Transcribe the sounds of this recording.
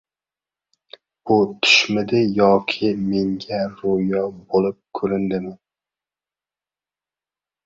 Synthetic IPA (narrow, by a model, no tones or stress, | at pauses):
ut̪ʰy̥ʃmɪd̪ɪjɒkʲʰɪmeŋɡʲɛɾojɒbolˠɪp̚kʲʰɵɾɪnd̪ɪmɪn